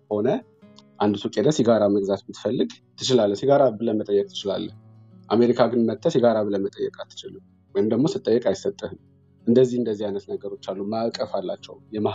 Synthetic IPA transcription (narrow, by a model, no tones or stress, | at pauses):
ho̞nə | ʔand̪usukʼed̪əsiɡaɾaməɡzat̪bɨt̪fəlːɨɡt̪ʰːɨt͡ʃɪlalːəsiɡaɾabɨləmət̪ʼəjːɛkʼt̪ʰɨ̥t͡ʃɪla̰lːə | ʔame̞ɾikʰaɡɨnmət̪ʰːəsɛɡaɾaβɨləmət̪ʼəjːɛkʼat̪ʰːɨ̥t͡ʃɪlɨm | wɔjɪmd̪əɡmo̞sɨt̪ʼːəjːɛkʼajɪsət̪ʼːɨhɨn | ʔɨnd̪əzːihɨnd̪əzːihajnət̪nəɡəɾo̞t͡ʃːalːumakʼəfalːat͡ʃːɛwjɛma